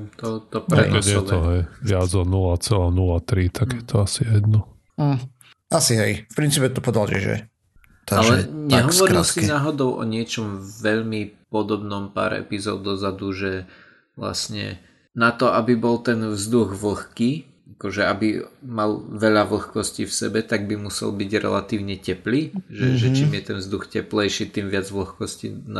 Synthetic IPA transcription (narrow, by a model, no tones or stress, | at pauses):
t̪ɔt̪ɔpɾɛkɛɛt̪ɔɦɛjʋɪad͡zɔnulat͡sɛlanulat̪ɾit̪ʰaɡjɛt̪ʰɔasijɛd̪nɔ | asiɦɛjfpɾint͡siːpɛt̪ɔpɔd̪ald͡ʒɛ̰ʒɛ̰ | t̪aalɛɲɛɦɔʋɔɾilsinaːɦɔd̪ɔʊʔɔ̰ɲɪɛt͡ʃɔmʋɛʎmipɔd̪ɔbnɔmpa̰ːɾɛ̰pizɔ̰ːʊd̪ɔzad̪uʒɛ | ʋla̰sɲɛ̰ | nat̪ɔʔabibɔlt̪ɛnvzd̪uɣʋl̩xkiː | akɔʒɛabimalʋɛʎaʋl̩xkɔsciːfsɛbɛt̪aɡ̚bimusɛ̰lbiɟɾɛ̰lat̪iːʊɲɛcɛpliːʒɛʒɛt͡ʃiːmjɛt̪ɛnvzd̪uxcɛplɛjʃit̪imʋɪad͡zʋl̩xkɔscin